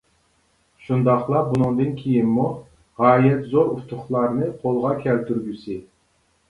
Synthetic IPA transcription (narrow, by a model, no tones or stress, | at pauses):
ʃund̪ɑχlˠɑbunɨŋd̪ɨnkʲʰejinmu | ʁɑːjɛt̪zoɾut̪ʰʊχlˠɑɾnɨqʰolˠʁɑkʲʰɛlt̪ʰyɾɡʲysɪ